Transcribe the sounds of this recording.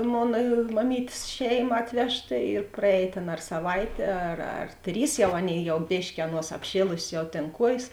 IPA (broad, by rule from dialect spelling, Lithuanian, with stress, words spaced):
ˈmoːnɐ mɐˈmʲiːtʲeːs ˈʃʲɛɪˌmɐ ˈɑːtʲʋʲɛʃˌtɐ ɪr prɐˈɛːj ˈtʲeːn ɐr sɐˈʋɐɪtʲeː ɐr ɐr ˈtʲrʲiːs ˈjɛʊ ˈɑːˌnʲeːɪ ˈjɛʊ ˈbʲeːʃʲkʲɪ ˈɑːˌnuɔs ɐpʲˈʃʲeːlˠʊsʲeːs jɛʊ tʲeːn ˈkuɔjeːs